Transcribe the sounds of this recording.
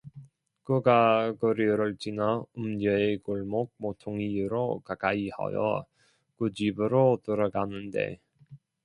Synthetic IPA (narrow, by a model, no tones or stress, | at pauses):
kɯɡaɡɯɾiɾɯɭt͡ɕinaumdʌekuɭmok̚motʰoŋiɯɾokak͈aiha̰jʌ̰ | kud͡ʑibɯɾotɯɾʌɡanɯnde̞̰